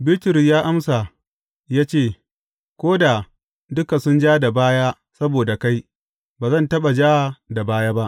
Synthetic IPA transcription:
bɪ˦tʊ˨ɾjaː˦ʔa˦msa˨ | jaː˦t͡ʃeː˦˨ | kʷoː˦da˨ | dʊ˦ka˨sʊ˦nd͡ʒaː˦da˨baː˦ja˦ | sɐ˦boː˨da˨ka˦j | baː˨zɐ˦˨ntɐ˦ɓa˨d͡ʒaː˦˨da˨baː˦jaː˦ba˦ʔ

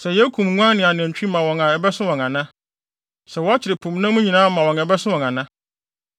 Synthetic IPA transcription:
sɛ˨jɛ˦kʰũ˨mŋʷ˦ã˦n˦nɪ̃˨a˨n˨ɛ̃˨t͡ɕᶣi˦mã˨wɔ̃˨ŋã˨ɛ˨bɛ˦sʊ̃˦wɔ̃˨ŋã˨nã˦ | sɛ˨wɔ˦a˦t͡ɕʰɪ˨ɾɪ˨pʰʊ̃˨m˦nã˦mũ˦ɲĩ˨nãː˦mã˨wɔ̃˨ŋɛ˨bɛ˦sʊ̃˦wɔ̃˨ŋã˨nã˦

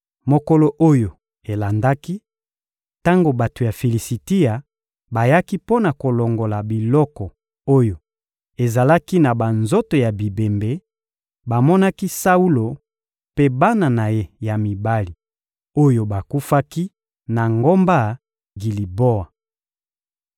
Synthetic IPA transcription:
mo˨ko˦lo˦ʔo˦jo˨ | e˨la˨nda˦ki˦ | ta˦ŋɡo˨ba˨to˨ja˨fi˨li˨si˨ti˦a˨ | ba˨ja˦ki˦po˦na˨ko˨lo˨ŋɡo˨la˨bi˨lɔ˦kɔ˨ | o˦jo˨ | e˨za˨la˦ki˦na˨ba˨nzo˦to˨ja˨bi˨be˨mbe˨ | ba˨mɔ˦na˦ki˦sa˦u˦lo˨ | pe˦ba˦na˨na˨je˦ja˨mi˨ba˦li˨ | o˦jo˨ba˨ku˦fa˦ki˦ | na˨ŋɡo˦mba˦ | ɡi˨li˨bo˦a˨

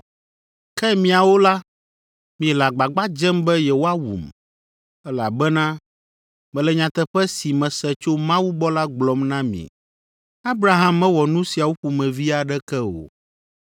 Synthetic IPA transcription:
kɛ˦mĩ˨a˨wo˦la˦ | mĩ˨ɛ˨la˨ɡ͡ba˨ɡ͡ba˦d͡ʒɛ˦mbɛ˦jɛ˨wo˦a˦wṵ˨m | ɛ˦la̰˨bɛ˦nã˦ | mɛ̃˨lɛ˨ɲã˨t̪ɛ˨ɸɛ˦si˨mɛ̃˨sɛ˨t͡ʃo˦mã˦wu˦bɔ˦la˦ɡ͡blɔ˨mnã˦mḭ̃˨ | a˦bɾa˨ɦã˦mɛ̃˦wɔ˨nũ˦si˨a˨wu˦ɸu˨mɛ̃˨vi˦a˨ɖɛ˦kɛ˦o̰˨

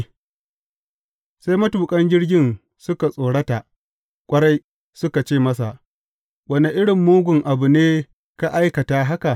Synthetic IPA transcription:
sa˦jmɐ˦tuː˨kʼɐ˦ɲd͡ʒʲɪ˦ɽɡʲɪ˦n | sʊ˦ka˨sʼoː˨ɽɐ˦ta˨ʔ | kʷʼɐ˦ɽa˦j | sʊ˦ka˨t͡ʃeː˦˨mɐ˦s̬a˨ʔ | wɐ˦ne˨ʔɪ˦ɽɪ˨mːuː˦ɡʷʊ˨ŋʔa˨bu˨neː˦ | ka˦ʔa˦jkɐ˨ta˨ɦa˦ka˨

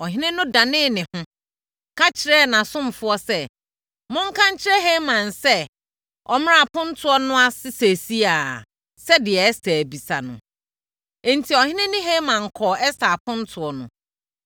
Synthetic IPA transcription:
ɔ˨ɦɪ̃˦nɪ̃˦nʊ̃˦dã˨nɪ̃ː˦˨nɪ̃˨hʊ̃˦ | kʰa˦t͡ɕʰɪ˨ɾɛ˦nã˨sʊ̃˦m˨fʊ˦ɔ˦sɛ˦ | mʊ̃˦ŋ̩˦kʰã˦ɲ̩˦t͡ɕʰɪ˦ɾɛ˦ɦe˦mã˨nsɛ˦ | ɔ˨m˦a˨pʰʊ̃˦n̩˦tʰʊ˦ɔ˦nʊ̃˦a˦sɪ˦se˨si˦a˨ | sɛ˦dɪ˨ɛ˨˦stʰæ˨æ˨bi˨sa̰˨nʊ̰̃˨ | n̩˨tʰi˨ɔ˨hɪ̃˦nɪ̃˦nʊ̃˦ɦe˦mã˨ŋ̩˨kʰɔː˨ɛ˦sta˨a˨pʰʊ̃˦n̩˦tʰʊ˨ɔ˦nʊ̰̃˨

